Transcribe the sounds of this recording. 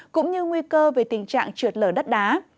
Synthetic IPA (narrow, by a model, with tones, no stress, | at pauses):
kʊ̰˧˥ŋ͡mɲɨ˧ŋwi˧kəː˧ve˨˩t̪ï˨˩ŋ̟t͡ɕa̰ː˧˨ŋt͡ɕɨ˨˩ət̚ləː˧˩ɗə˦˥t̚ɗaː˨˦